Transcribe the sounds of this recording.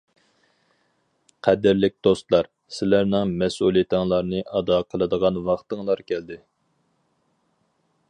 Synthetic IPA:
qʰæd̪ɪɾlɪk̚ʲd̪̥ost̪lˠɑɾ | sɪlæɾnɪŋmɛsulˠijit̪ʰɪŋlˠɑɾnɨʔɑd̪ɑqʰəlˠɨd̪əʁɑnwɑχt̪ɨŋlˠɑɾkʲʰæld̪ɪ

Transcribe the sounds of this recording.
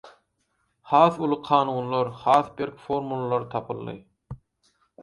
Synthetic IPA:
hɑːθulˠɯqʰɑːnuːnlˠɑɾhɑːθbeɾkfoɾmulˠɑlˠɑɾt̪ʰɑpʰɯlˠːɯ̰

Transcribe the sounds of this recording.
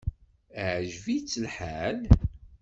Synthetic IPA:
ʕʒvit͡sːəlħal

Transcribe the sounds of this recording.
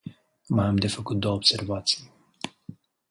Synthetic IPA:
majamd̪e̞fəkut̪̚d̪o̞wəobse̞rvat̪sij

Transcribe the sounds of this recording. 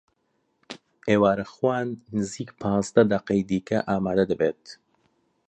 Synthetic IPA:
eːwaːɾɐxwaːnːɨziːkpʰɑ̃ːzd̪ɐd̪ɐqɐjd̪iːkɐ̰ʔaːmaːd̪ɐd̪ɨbeːt̪

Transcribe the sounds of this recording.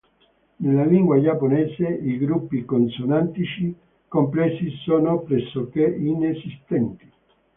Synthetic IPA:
nelːaliŋɡwad͡ʒapːonɛːseiɡɾupːikonsonant̪it͡ʃi | kompɾɛsisoːnopɾɛsːokeinesist̪ɛnt̪i̥

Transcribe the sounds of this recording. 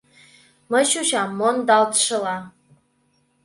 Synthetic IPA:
məʃuʃamːondaltʰʂɨla

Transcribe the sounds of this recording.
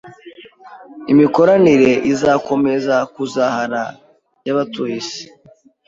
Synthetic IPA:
imiko̞ɾaniɾe̞ʔizako̞me̞zakuzahaɾa | jaβatujisi̥

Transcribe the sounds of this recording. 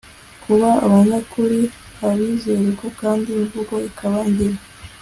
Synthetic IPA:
kʰuβaa̰βaːɲakuɾi | haβizeɾekokaːndiuvuɡo̞ikʰaβaɲɟiɾa

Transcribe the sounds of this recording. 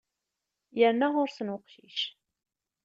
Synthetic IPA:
jəɾnaʁʊɾsənwəqʃiʃ

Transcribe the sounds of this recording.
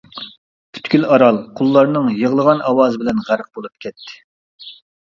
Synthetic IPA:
pʰy̥t̪kʲylɑɾɑlˠqʰʊlˠːɑɾnɨŋjəʁlˠəʁɑnɑwɑːzɨbɪlɛnʁæɾq̚bolˠup̚kʲʰɛt̪ʰːɪ̥

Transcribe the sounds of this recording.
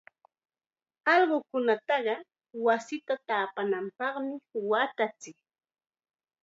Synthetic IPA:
ɑlɢʊkʊnat̪ɑɢɑ | wasɪt̪at̪aːpanampɑχmɪwat̪at͡sɪk

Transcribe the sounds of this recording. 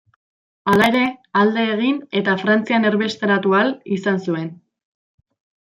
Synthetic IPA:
alae̞ɾe̞ald̪e̞ːɣ̞ine̞t̪afɾant͡siane̞ɾβest̪eɾat̪ualisansue̞n

